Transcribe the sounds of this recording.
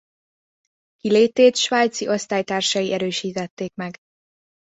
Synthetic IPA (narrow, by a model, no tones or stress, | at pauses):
kileːt̪eːt̪ʃʋaːjt̪siʔo̞st̪aːjt̪aːrʃɒjiʔɛɾøːʃiːt̪ɛt̪ːeːkmɛɡ